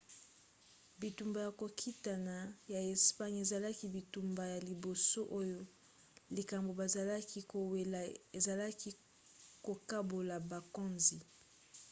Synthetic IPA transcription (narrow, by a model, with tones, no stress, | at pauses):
bi˨tu˨mba˨ja˨ko˨kʰi˦ta˨na˨ja˨e˨spa˦ɲe˨za˨la˦ki˦bi˨tu˨mba˨ja˨li˨bo˨so˦ʔo˦jo˦ | li˨ka˨mbo˨ba˨za˨la˦ki˦o˨we˨e˨za˨la˦ki˦ | ko˨ka˦bo˨la˨ba˨ko˦nzi˨